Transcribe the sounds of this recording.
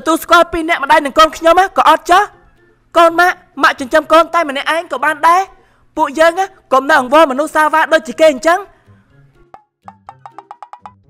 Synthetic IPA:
t̪ɔt̪uəlskŏəlpiːnɛ̆əʔmə̆ɗajnɨŋkoːnkʰɲomaːkɑːʔɑt̪̚t͡ɕəh | koːnmaʔ | maʔt͡ɕʊɲt͡ɕəmkoːnt̪aɛmənɛ̆əʔaɛŋkɑːɓaːnɗaɛ | puəʔjəːŋaː | komnəʔɑŋʋɑːmɔnuhsaːəʋaːɗoːc̚t͡ɕiəkeːɲt͡ɕəŋ

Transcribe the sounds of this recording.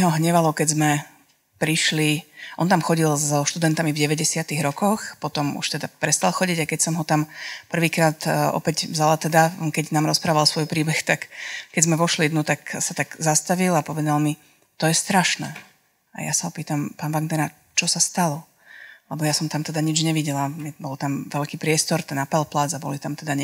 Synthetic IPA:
ɦɔɦɲɛʋalɔkɛzmɛ | pɾiʃliʔɔnt̪amxɔɟilzɔʃt̪ud̪ɛnt̪amivɟɛʋɛɟɛsɪat̪iɣɾɔkɔxpɔt̪ɔmṵʃt̪ɛd̪apɾɛst̪alˠxɔɟiɟakɛcsɔmɦɔt̪ampr̩ʋiːkɾaːt̪ɔ̰pɛɟvzalat̪ɛd̪akɛɟnaːmɾɔspɾaːʋalˠsʋɔjpɾiːbɛxt̪akkɛɟzmɛʋɔʃlid̪nut̪aksat̪aɡzast̪aʋilapɔʋɛd̪alˠmi | t̪ɔjɛst̪ɾaʃnɛ̰ | a̰ja̰saɦɔpiːt̪ampaːnʋaɡd̪ɛɾa | t͡ʃɔsast̪alɔ | lɛbɔjasɔmt̪amt̪ɛd̪aɲid͡ʒɲɛʋiɟɛlaɛbɔlt̪amʋɛlkiːpɾɪɛst̪ɔɾt̪ɛnapɛlplad͡zabɔlit̪amt̪ɛd̪aɲɛ

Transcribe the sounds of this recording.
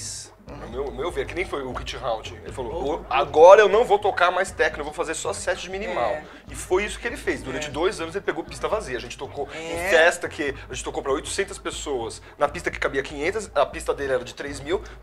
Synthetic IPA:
s | ɛmewmewveɾkɪnẽj̃fojʊkit͡ʃɪɦawt͡ʃĩḛlɪfaloaɡɔɾɐewnɐ̃w̃vowt̪okaɾmajst̪ɛknʊewvowfazeɾsɔɐsɛt͡ʃɪd͡ʒɪmĩnimaw | ɪfojisʊ̥kɪelɪfejsd̪uɾɐ̃nt͡ʃɪd̪ojzɐ̃nʊzelɪpeɡowpi̥st̪ɐvaziɐʒẽnt͡ʃɪ̥t̪okoĩfɛst̪ɐkɪaʒẽt͡ʃɪt̪okowpɾɐojt̪ʊ̥sẽnt̪ɐspesowɐs | nɐpist̪ɐkɪ̥kabiɐkĩɲẽnt̪ɐsɐpist̪ɐd̪elɪɛɾɐd͡ʒɪt̪ɾezmiw

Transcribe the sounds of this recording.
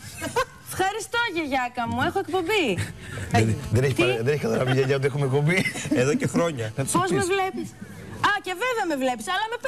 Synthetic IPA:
fxɐɾist̪oʝɐʝɐkɐmue̞xoe̞kpo̞mbi | ɐiðeneçiðeneçikɐt̪ɐɾɐviʝɐʝɐt̪uexumek̚po̞mbieðocexɾo̞ɲɐnɐt̪i̥sozmevlepis | ɐce̞veveɐme̞vle̞pi̥sɐlɐme̞p

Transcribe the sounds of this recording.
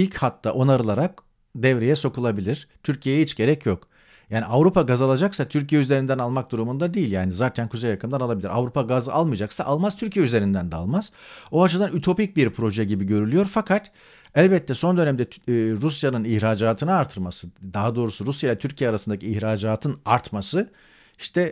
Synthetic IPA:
ilʲchat̪ːaʔo̞naɾɯlˠaɾak̚ | d̪ɛvɾejɛso̞kʰulˠabilʲiɾ̥t̪ʰyɾcʰijejɛɦit͡ʃɟe̞ɾɛcʰjo̞k | jaːniavɾupaɡazalˠad͡ʒaksat̪ʰyɾcijɛyze̞ɾind̪ænalˠmak̚d̪uɾumund̪ad̪iːilʲjaːnizaːt̪ʰænkʰuzejakʰɯmd̪analˠabilʲiɾavɾupʰaɡazɯʔalˠmɯjd͡ʒaksaʔalˠmazt̪ʰyɾcʰijɛyze̞ɾind̪ænd̪ɛa̰lˠmaz̥oat͡ʃɯd̪anyt̪ʰo̞pic̚biɾpʰɾo̞ʒɛɟibiɟø̞ɾylʲyjo̞ɾfakʰat̪ | ælʲbɛt̪ʰːɛso̞nd̪ø̞nɛmd̪ɛːɾusjanɯniçɾaːd͡ʒaːt̪ʰɯnɯaɾt̪ʰɯɾmasɯd̪aɦad̪o̞ːɾusuɾusjajɛt̪ʰyɾcʰijɛaɾasɯnd̪acʰiːçɾaːd͡ʒaːt̪ʰɯnaɾt̪masɯ | i̥ʃt̪ʰɛ

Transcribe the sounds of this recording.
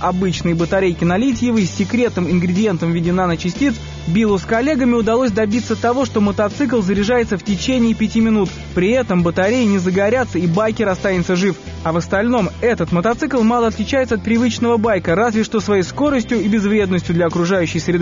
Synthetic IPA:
ɐbɨt͡ɕnɨjbət̪ɐɾʲejkʲɪnɐlʲit̬ʲɪjɪvəsʲːɪkɾʲe̞t̪nɨmɪnɡɾʲɪdʲɪje̞nt̪əmvʲɪdʲɪnanət͡ɕɪsʲtʲit̪s | bʲilˠuskɐlʲːe̞ɡəmʲɪʊd̪ɐlˠo̞s̬ʲd̪ɐbʲit̪sət̪ːɐvo̞ʂt̪o̞mət̪ɐt̪sɨk̬lˠzəɾʲɪʐajɪt̪səftʲɪt͡ɕenʲɪːpʲɪtʲimʲɪnut̪ | pɾʲɪɛt̪əmbət̪ɐɾʲejɪnʲɪzəɡɐɾʲat̪səibajkʲɪɾɐst̪anʲɪt̪səʐɨf | ɐvəst̪ɐlʲno̞mɛt̪ət̪mət̪ɐt̪sɨklˠmɑlˠəɐt̪lʲɪt͡ɕæjɪt̪səɐt̪̚pɾʲɪvɨt͡ɕnəvəbajkəɾazvʲɪʂt̪o̞svɐjejsko̞ɾəsʲtʲjʊibʲɪzvɾʲed̪nəsʲtʲjʊd̪lʲɐɐkɾʊʐajʉɕːɪjsɾʲɪd̪ɨ

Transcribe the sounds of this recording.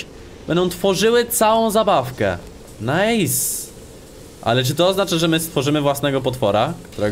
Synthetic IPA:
bɛnd̪ɔw̃t̪fɔʐɘwɘt̪sawɔ̃w̃zabafkɛ̰ | najs | ʔa̰lɛt͡ʂ̬ɘt̪ɔːznat͡ʂaʐɛmɘst̪fɔʐɘmɘvwasnɛɡɔpɔt̪fɔɾakt̪uɾɛ

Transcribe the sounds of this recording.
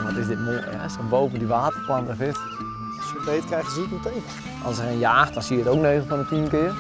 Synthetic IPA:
nʋɔtɪsdɪt̚moɛsonbowvəndiʋaːtərplɑntəfɪt | səbejtkrɛjxəzitmətejv | ɑlˠsəejnjaːxt̚dɔnsiəətowk̚nejɣlˠfɔnətiənkɪːr

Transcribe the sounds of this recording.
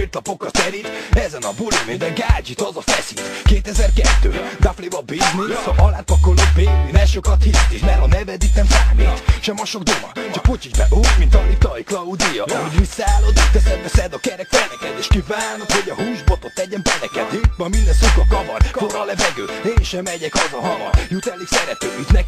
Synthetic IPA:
et̪lɒpokːɒt̪ɛɾit̪ɛzɛnɒbulimind̪ɛŋɡaːd͡ʒit̪ɒzɒfɛsit̪keːt̪ɛzɛrkɛt̪ːø̰ːd̪aflevɒbiznisʔɒlaːt̪̚pɒkolod̪peːlinɛʃokɒt̪hilt̪ikmɛɾɒnɛvɛd̪it̪nɛmsaːmit̪ʃɛmɒʃo̞ɡd̪omɒt͡ʃɒkpot͡ʃiʒbɛ̰ʔuːɟmint̪ɒmit̪ɒjiklɒud̪ijɒɒɦoɟmit̪saːlod̪kd̪ɛsɛbɛsɛd̪ɒkɛɾɛkfɛlɛkɛt̪eːʃkivaːnokho̞ɟɒhuːʒbot̪ot̪ːɛɟɛmpɛlɛkɛ̰t̪it̪mɒmind̪ɛnsukɒkɒvɒ̰rfoɾɒlɛvɛɡøːeːʃɛmɛɟɛkɒzɒɦɒvɒ̰jut̪ɛlːiksɛɾɛt̪øːyt̪nɛk

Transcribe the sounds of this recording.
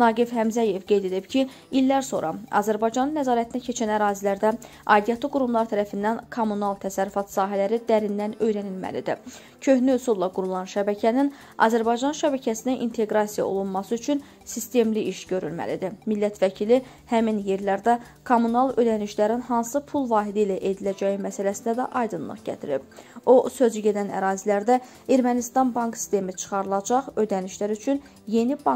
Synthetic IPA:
nɑːɡifhæmzæje̞vɡe̞jd̪e̞d̪ipcʰi | ilːæɾso̞̰ɾʔɑ̰ɑ̰zæɾbɑjd͡ʒɑnɯnːæzɑːɾæt̪ʰinæcʰe̞t͡ʃʰænæɾɑːzilæɾd̪æ | ɑd̪ijɑt̪ʰɯɡuɾumlˠɑɾt̪ʰæɾæfind̪ænkʰomunɑlˠt̪ʰæsæɾːyfɑt̪sɑːɦælæɾid̪æɾind̪ænø̞jɾænilmæ̰lid̪ḭ | cʰø̞hnyysulˠːɑɡuɾulˠɑnʃæbæcʰænin | ɑ̰zæɾbɑjd͡ʒɑnʃæbæcʰæsinæʔint̪ʰe̞ɡɾɑsijɑ̰o̰lˠunmɑsɯyt͡ʃʰyn | sist̪e̞mliʔiʃɟø̞ɾylmæ̰lid̪imilːæt̪ʰvæcʰili | hæminje̞ɾlæɾd̪æ | kʰomːunɑlˠø̞d̪æniʃlæɾinɦɑnsɯpʰulˠvɑːɦid̪ilæʔe̞d̪ilæd͡ʒæjimæsælæsind̪æd̪æ̰ʔɑjd̪ɯnlˠɯ̰χɟæ̰t̪ʰiɾḭbo̞sø̞zyɟe̞d̪ænæ̰ɾɑːzilæɾd̪æ | eɾmænist̪ɑnbɑŋksi̥st̪e̞mit͡ʃʰɯ̥χɑɾɯlˠɑd͡ʒɑʁø̞d̪æniʃlæɾyt͡ʃʰyn | je̞nibɑ

